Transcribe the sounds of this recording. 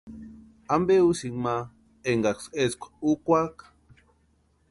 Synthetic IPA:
ambeusiŋma | eŋɡakseskʷḁukʷak

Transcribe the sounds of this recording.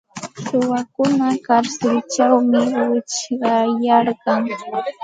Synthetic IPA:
sʊwakʊnakaɾsɪlt͡ʃawmɪwɪt͡ʃɢɑjɑɾɢɑŋ

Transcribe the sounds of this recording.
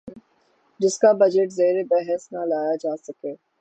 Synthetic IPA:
d͡ʒɪskabɐd͡ʒeʈzeːɾebɛɦɛsnalaːjad͡ʒaːsɐkeː

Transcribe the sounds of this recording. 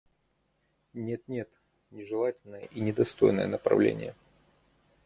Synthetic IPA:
nʲe̞t̪nʲe̞t̪ | nʲɪʐɨlˠatʲɪlʲnəjəʔinʲɪd̪ɐst̪o̞̰jnə̰jənəpɾɐ̰vlʲḛnʲɪ̰jə

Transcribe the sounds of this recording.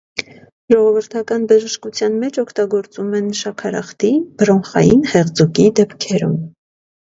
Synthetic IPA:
ʒɔʁɔvəɾt̪ʰɑkɑnbəʒəʃkut͡sʰjɑnmɛt͡ʃʰɔkʰt̪ɑɡɔɾt͡sumɛnʃɑkʰɑɾɑ̰χt̪ib̥ɾɔnχɑ̰jinhɛʁd͡zukid̪ɛpkʰɛɾṵm

